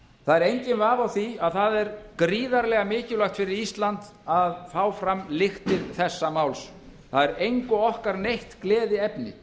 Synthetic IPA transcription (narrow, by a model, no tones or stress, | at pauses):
θaðɛɾejɲcɪnvaːvawθiaðθaðɛɾkɾiːðaɾlɛɣamɪːcɪlajxt̪fɪɾɪɾist̪lant̪ | aðfaːwfɾamlɪxt̪ɪðθɛsːamawls | θaðɛɾejŋkʊɔhkaɾnejht̪klɛːðɪɛpnɪ̰